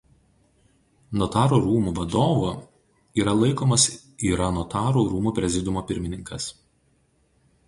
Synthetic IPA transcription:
nɔt̪ɑːɾoɾuːmuːʋɐd̪oːʋoː | iːɾɐlˠɐɪkoːmɐs | iːɾɐnɔt̪ɑːɾuːɾuːmuːpʲɾʲɛzʲɪd̪ʲʊmoːpʲɪɾʲmʲɪnʲɪŋkɐs

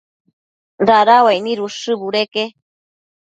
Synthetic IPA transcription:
ɾaɾawajnĩɾuʂɨbuɾeke

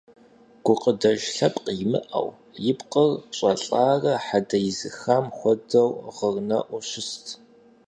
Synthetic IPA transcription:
ɡ̥ʷʊqədɐʒɬɐpʼqjmɨ̰ʔɐ̰w | jɪpqʼərɕʼɐɬʼaːrɐħadɐjzɨxamxʷɔdɐwʁərnɐ̰ʔʷʊɕɪstʰ

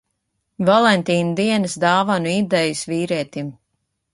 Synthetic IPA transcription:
valˠɛnʲt̪iːnud̪iɛnɨsd̪aːvanuid̪ɛjusviːɾiɛt̪im

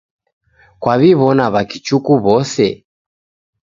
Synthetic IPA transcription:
kwaβiβɔnaβakit͡ʃukuβɔsɛ

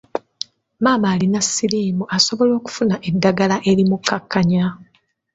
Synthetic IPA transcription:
maːmaːlinasːiliːmuʔaso̞βo̞lo̞ːku̥funaʔe̞dːaɡalaʔe̞limukʰːakːaɲa

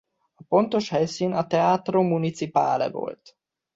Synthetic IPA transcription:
ɒpo̞nt̪o̞ʃhɛjsiːnɒt̪ɛaːt̪ro̞mːunit̪sipa̰ːlɛ̰vo̞̰lt̪

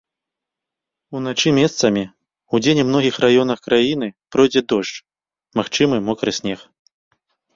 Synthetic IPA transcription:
unat͡ʂɨmʲɛst̪sɐmʲi | ud͡zʲenʲmnɔɣʲixrajɔnɐxkɾajin̪ɨpɾɔjd͡zʲɛd̪ɔʂt͡ʂ | maxt͡ʂɨmɨmɔkɾɨsʲnʲɛx

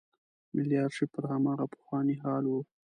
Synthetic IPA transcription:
mɪljɑːɾʂipəɾhamɑɣapə̥xwɑniɦɑlwu

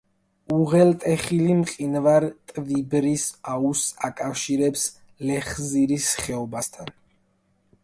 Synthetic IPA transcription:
uʁɛlt̪ʼɛχilimqʼinvaɾt̪ʼvibɾisausakʼafʃiɾɛps | lɛχziɾisχɛɔbast̪ʰan

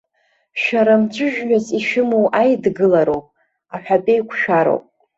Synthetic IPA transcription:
ʃaɾamt͡ʃʷʰɨʒᶣɥaziʃɨmowʔajdɡɨlaɾowpʼ | aħʷᶣapʼejkʷʰʃᶣaɾo̰pʼ

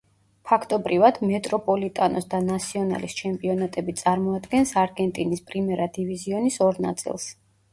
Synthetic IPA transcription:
pʰakʰt̪ʼɔbɾivad̪mɛt̪ʼɾɔpʼɔlit̪ʼanɔsd̪anat̪sʰiɔna̰list͡ʃʰɛmpʼiɔnat̪ʼɛbit̪sʼaɾmɔad̪ɡɛnsaɾɡɛnt̪ʼinispʼɾimɛɾad̪iviziɔnisɔɾna̰t̪sʼḭlˠs

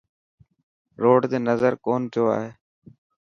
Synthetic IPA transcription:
ɾoːɖd̪eːnəzəɾkoːnt̪ʰjoːa̰ːɦeː

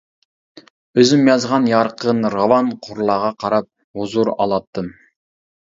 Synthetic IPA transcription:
øzɪmjɑzʁɑnjɑɾqʰənɾɑwɑnqʰʊɾlˠɑʁɑqʰɑɾɑp̚ | huzuɾɑ̰lˠɑt̪ʰːɨm

